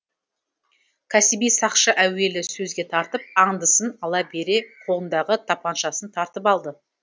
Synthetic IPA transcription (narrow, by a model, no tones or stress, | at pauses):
kʲʰæsɪbijsɑqʃəʔæwe̞lɪsɵzɡʲe̞t̪ʰɑɾt̪əp̚ɑɴd̪əsənɑlˠɑbe̞ɾe̞qʰo̞lˠənd̪ɑʁət̪ʰɑpɑnʃɑsənt̪ʰɑɾt̪əpɑlˠd̪ə